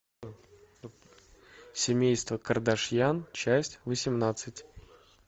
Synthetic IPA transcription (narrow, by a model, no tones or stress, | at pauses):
sʲɪmʲejst̪vəkərd̪ɐʂjant͡ɕæsʲtʲvəsʲɪmnat̪sɨtʲ